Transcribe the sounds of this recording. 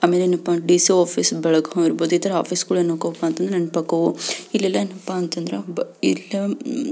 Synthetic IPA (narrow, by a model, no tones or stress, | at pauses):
aːmeleːnɐpːaɖiːsioːpʰisbɐɭɐɡɐiɾboːd̪uit̪ʰɐɾɐa̰ːpʰiskuːɭɐenokoɐpːaːnt̪ɐnd̪ɾeɐnːpɐkːɐʋuilːɛlːɐenɐpːaːnt̪ɐnd̪ɾebilːɐ